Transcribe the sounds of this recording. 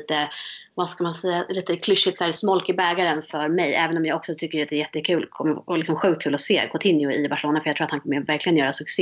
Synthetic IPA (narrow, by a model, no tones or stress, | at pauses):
t̪əvaskamansɛjːaliːt̪əkʰlʏʂːɪt̪sæːɾsmɔlkɪbɛːɡaɾənfœɾmɛjʔɛːvənɔmjɑːɡɔksɔt̪ʰʏkːəɾat̪d̪ɛːɾjɛt̪ːəkʰʉ̟ːlkʰɔmːəlɪksɔmɧʉ̟k̚kʰʉːlɔseːkʰʊt̪ʰɪnjɪʊɪbaʂəloːnafœjɑt̪ʰuːat̪hankʰɔmːəvæɾklɪɡənjœːɾasɵks